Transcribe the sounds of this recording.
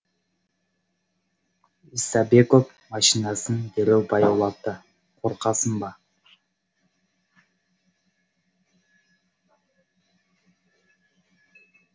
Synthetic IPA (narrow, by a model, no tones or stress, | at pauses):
isabeko̞p | mɑʃinɑsɨnd̪eɾewbɑjɑwlˠɑt̪ːə | qʰoɾqɑsɯnbɑ